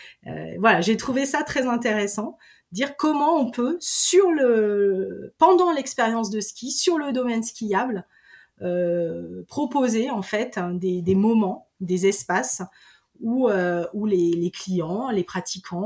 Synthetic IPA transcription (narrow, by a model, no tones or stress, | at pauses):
ø̰vwalaʒet̪χuvesat̪χɛzɛ̃t̪eʁɛsɑ̃ | d̪iʁkɔmɑ̃ɔ̃pøsyʁlə | pɑ̃d̪ɑ̃lɛkspeʁjɑ̃s̬d̪əskʲisyʁləd̪ɔmɛnskʲijabl | ø | pχɔpozeɑ̃fɛt̪d̪ed̪emɔmɑ̃ | d̪ezɛspas | uøuleleklijɑ̃lepχat̪ikʰɑ̃